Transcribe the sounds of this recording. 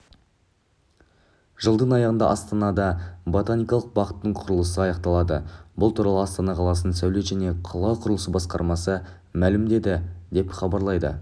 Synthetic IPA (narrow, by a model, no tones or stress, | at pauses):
ʒ̥əlˠd̪ənɑjɑʁənd̪ɑ̰ʔɑst̪ɑnɑd̪ɑbo̞t̪anijkɑlˠəq̚bɑqət̪ːəɴqʰʊɾəlˠəsəɑjɑq̚t̪ɑlˠɑd̪ə̰bʊlˠt̪ʰuɾɑlˠəɑst̪ɑnɑqʰɑlˠɑsənənsæwle̞ʒæne̞qʰɑlˠɑwqʰʊɾəlˠəsəbɑsqɑɾmɑsə | mælɪmd̪e̞d̪ɪd̪e̞pχɑbɑɾlˠɑjd̪ə̰